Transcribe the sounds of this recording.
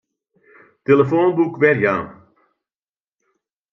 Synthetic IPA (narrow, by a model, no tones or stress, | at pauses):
teləfoːnbukʋɛrɣa̰ːn